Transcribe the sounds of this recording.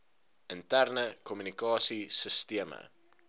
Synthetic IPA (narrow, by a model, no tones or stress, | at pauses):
əntærnəkʰɔmynikɑːsisəstiəmə̰